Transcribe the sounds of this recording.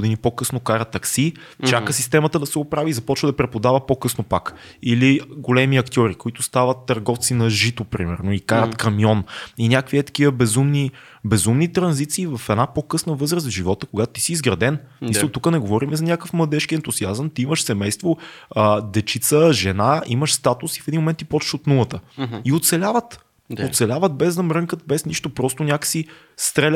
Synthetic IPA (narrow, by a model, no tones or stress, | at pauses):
ʊd̪inipokɤsnokaɾɐt̪ːɐksi | t͡ʃakəsist̪ɛmət̪əd̪ɐsɛʊpɾavizɐpɔt͡ʃvəd̪ɐpɾɛpod̪avəpokɤsnopak | iliɡolɛmiɐkt̪ʲɔɾikoit̪ʊst̪avət̪ːɐɾɡɔft̪sinɐʒit̪opɾimɛ̰ɾnoikaɾət̪kɐmiɔninʲakviɛt̪ɐ̥kiəbɛzumni | bɛzumnit̪ɾɐnzit̪siːvɐfɛd̪napokɤsnəvɤzɾəsvʒivɔt̪əkoɡat̪ʊt̪i̥siːzɡɾɐd̪ɛn | iəlt̪ukənɛɡovɔɾimɛzɐnʲakəfmlˠɐd̪ɛʃkiɛnt̪uziazəmt̪iiməʃsɛmɛjst̪voəd̪ɛt͡ʃit̪səʒɛnaiməʃst̪at̪usifɛd̪inmomɛnt̪ipɔt͡ʃʃot̪nulˠət̪əiot̪sɛlʲavət̪ | ott̪sɛlʲavət̪̚bɛzd̪ɐmɾɤŋkət̪̚bɛsniʃt̪opɾɔst̪ʊnʲakə̥si | st̪ɾɛlʲ